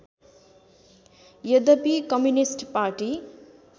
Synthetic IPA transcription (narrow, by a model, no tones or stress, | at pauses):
jʌd̪ʌpikʌmjunisʈpaʈi